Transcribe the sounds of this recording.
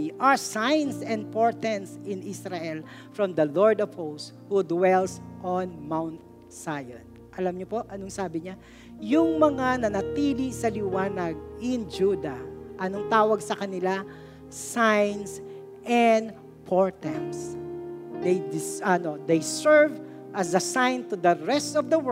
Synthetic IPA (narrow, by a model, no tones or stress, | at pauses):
ʔɐɹsajnsɛ̃nd̪̚poɹt̪ɛnsɪnisɾaʔɛlfɹɔmd̪ɐloɹd̪ov̥host | hud̪wɛlsʔonmawnt̪̚ | sajo̰n | ʔɐlamɲopo̞ʔɐnoŋsaːbɪɲa | jʊŋmɐŋanɐnɐt̪iːlɪsɐlɪwaːnɐɡ̚ʔɪnd͡ʒud̪ɐʔɐnoŋt̪aːwɐɡsɐkɐnɪla | sajns | ʔɛn | pʰoɹt̪ɛms | d̪ejd̪ɪsɐnod̪ejsɛɹv | ʔɐsɐsãjnt̪ʊd̪ɐɹɛst̪ɔvd̪ɐw